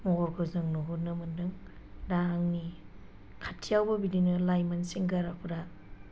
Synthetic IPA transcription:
mɔɡɔɾkʰɔzɯŋnɔɦunɯmɯndɯŋ | daŋni | kʰatʰːijawbɐbidinɯlajmansiŋɡaɾapʰuɾa

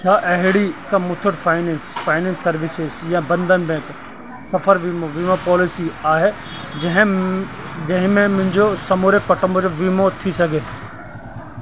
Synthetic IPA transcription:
t͡ʃʰaːʔɐɦɪɽikɐ̃mʊt̪ʰʊʈfʰaːɪnẽːnsfaːɪnɛ̃ːnsːɐɾʋɪsɪzjãbɐ̃nd̪ənɪ̆bɛ̃ːk | sɐfəɾʋiːmoʋiːmopɔːlɪsiaːɦe | d͡ʑɐ̃ɦɪ̃ | d͡ʑɐ̃ɦɪ̃mẽmʊ̃ɦɪ̃ɲd͡ʑosɐmoːɾekɐʈəmbod͡ʑoʋiːmot̪ʰisɐɡʱe

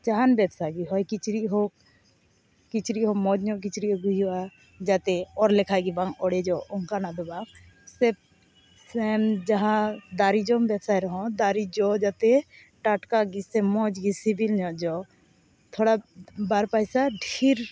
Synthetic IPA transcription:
d͡ʒaɦanbɛbsaɡiɦɔjkit͡ʃɾiɦɔk̚ | kit͡ʃɾiɦɔmɔd͡ʒɲɔʔk̬it͡ʃɾiɔɡujiua | d͡ʒat̪ɛɔɾlɛkʰaɡibaŋɔɽɛd͡ʒɔʔɔŋkanad̪ɔbaŋ | sɛb̚ | sɛmd͡ʒaɦãd̪aɾid͡ʒɔmbɛbsajɾɔɦɔ̃d̪aɾid͡ʒɔd͡ʒat̪ɛ | ʈaʈkaɡisɛmɔd͡ʒɡisibilɲɔʔd͡ʒɔ | t̪ʰɔɽabaɾpajsaɖʱiɾ

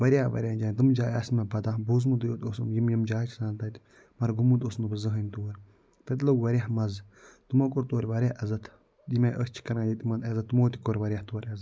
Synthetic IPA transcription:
ʋɐɾʲaːʋɐ̰ɾʲjaːnd͡ʒaːnʲt̪̬ɨmd͡ʒaːjɐsʲmɐbɐd̪ãːbuzmud̪ɨjoːt̪osumjimjɐmd͡ʒaːt͡ʃʰisãːnt̪ɐt̪ʲ | mɐɾɡumut̪osnubɐzɨɦɐnʲt̪oːɾʲ | t̪ɐt̪lɐʋɐɾʲaɦmɐzt̪umɐk̬oɾt̪oːɾʲʋɐɾʲjaɐzɐt̪ʰ | jimeʔəst͡ʃʰi̥kɐɾãːjit̪imɐnɐzɐt̪ːumoːt̪ʲi̥koɾʲʋɐɾʲjaht̪oɐɾʲɐz

